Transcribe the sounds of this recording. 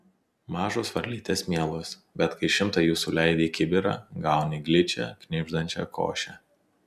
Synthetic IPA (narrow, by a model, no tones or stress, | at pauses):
mɑːʒoːsʋɐɾʲlʲiːt̪ʲeːsmʲiɛlˠoːsbʲɛt̪kɐɪʃʲɪmt̪ɑjuːsuːlʲɛɪd̪ʲeːkʲɪbʲɪɾɑ̰ːɡɑˑʊnʲɪɡʲlʲɪt͡ʃʲɛ̰kʲnʲɪʒd̪ɐnʲt͡ʃʲɛ̰ko̰ːʃʲɛ